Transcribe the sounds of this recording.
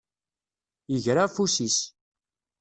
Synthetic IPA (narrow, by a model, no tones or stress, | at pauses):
jəʝɾafusis